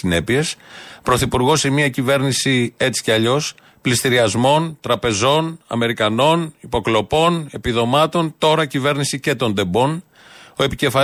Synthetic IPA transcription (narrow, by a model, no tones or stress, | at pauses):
ine̞pie̞spɾo̞θipuɾɣo̞semiɐcive̞ɾnisie̞t͡si̥ceɐʎo̞s | plist̪iɾiɐzmo̞nt̪ɾɐpe̞zo̞nɐ̰me̞ɾikɐno̞nipo̞klo̞po̞ne̞piðo̞mɐt̪o̞nt̪o̞ɾɐcive̞ɾnisice̞t̪o̞nd̪e̞bo̞n | o̞e̞pice̞fɐ